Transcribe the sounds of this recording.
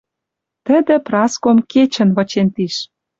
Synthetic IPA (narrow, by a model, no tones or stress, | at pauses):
t̪ə̆d̪ĕprɑskomket͡ɕə̆nβɤ̆t͡ɕent̪iʃ